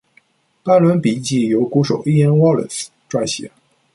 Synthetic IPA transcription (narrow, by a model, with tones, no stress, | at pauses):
pa˥˩nlwə˧˥npi˨˩t͡ɕi˥˩jo˧˥ʊku˧˥ʂo˨˩ʊi˥˧ɛ˥nwɔ˥˩lḭ˨˩s | ʈ͡ʂwa˥˩ɪɕjɛ̰˧˥˦